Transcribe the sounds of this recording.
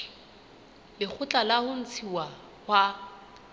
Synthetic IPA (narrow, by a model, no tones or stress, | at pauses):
lɪk͡xʰʊt͡ɬʼalahʊn̩t͡sʰiwa | hwa